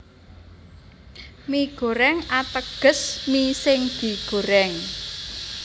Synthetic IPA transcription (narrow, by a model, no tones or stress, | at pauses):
miɡ̥o̤ɾɛŋat̪əɡ̥ə̤smisɪŋd̪̥i̤ɡ̥o̤ɾɛŋ